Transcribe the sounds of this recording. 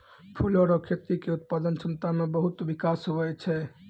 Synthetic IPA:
pʰulɔɾɔkʰet̪ikeut̪̚pad̪ənt͡ʃʰənt̪amebəɦut̪ʋikasɦoɛt͡ʃʰɛ

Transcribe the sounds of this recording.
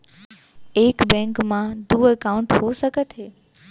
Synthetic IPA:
eːkbɛ̃ːŋkmãd̪uːəkaʊ̃ɳʈɦosɐɡʱət̪ʰeː

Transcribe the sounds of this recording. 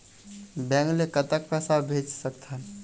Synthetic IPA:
bɛ̃ŋɡlekət̪ək̚pɛsabʱed͡ʒsək̚t̪ɦəl

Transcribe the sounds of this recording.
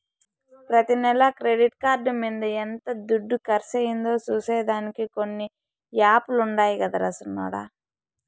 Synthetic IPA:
pɾɐt̪inɛlɐkɾeɖiʈkaːɾɖɐmind̪ɐent̪ɐd̪uɖːukɐɾsejind̪o̞ːt͡ʃuːsɛːd̪aːnikiko̞nːi | jaːpuluɳɖaːjiɡɐd̪ɐɾɐsɐnːa̰ːɽa̰ː

